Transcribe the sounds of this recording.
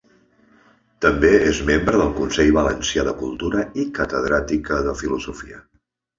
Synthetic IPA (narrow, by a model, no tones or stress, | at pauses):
t̪əmbeezmembɾəðəlˠkunsɛʎβələnsiaðəkulˠt̪uɾəikət̪əðɾat̪ikəðəfiluzufiə